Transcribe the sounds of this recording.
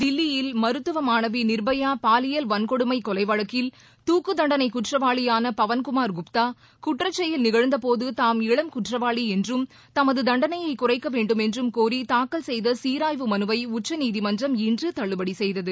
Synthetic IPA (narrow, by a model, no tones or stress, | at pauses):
d̪ɪlːɪjɪlmɐɾɯt̪ːɯʋɐmaːnɐʋinɪɾbɐjaːpaːlɪjɐlʋɐnkɔɽɯmɐɪkːɔlɐɪʋɐɻɐkːɪl | t̪uːkːɯd̪ɐɳɖɐnɐɪkʊʈrɐʋaːɭɪjaːnɐpɐʋɐnkʊmaːɾɡʊpt̪aː | kʊʈrɐt͡ʃːɐjɪlnɪɣɐɻɯnd̪ɐpoːðɯt̪aːmɪɭɐmkʊʈrɐʋaːɭiɛndrɯm | t̪ɐmɐðɯd̪ɐɳɖɐnɐjɐɪkʊrɐɪkːɐʋeːɳɖɯmɛndrɯmkuːɾit̪aːkːɐlsɛjðɐsiːɾaːjʋɯmɐnɯʋɐɪʊt͡ʃːɐniːðimɐnd͡ʒrɐmɪndrɯt̪ɐɭːɯbɐɽisɛjðɐðɯ